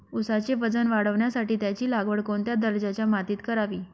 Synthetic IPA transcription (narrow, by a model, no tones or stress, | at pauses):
usat͡ɕeʋəd͡zənʋaɽəʋɳjasaʈiːt̪jat͡ɕiːlaɡʋəɽkoɳt̪jad̪əɾd͡ʑat͡ɕjamat̪iːt̪kəɾaʋiː